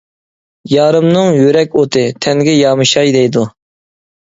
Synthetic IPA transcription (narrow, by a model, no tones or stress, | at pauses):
jɑːɾɨmnɨŋjøɾɛkʲot̪ʰɨt̪ʰɛŋɡʲɛjɑːmɨʃɑjd̪ɛjd̪u